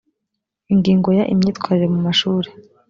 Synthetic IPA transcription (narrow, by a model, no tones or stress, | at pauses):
iŋɡiːŋɡo̞jaʔimɲiːtkwaɾiɾemumaʃuːɾe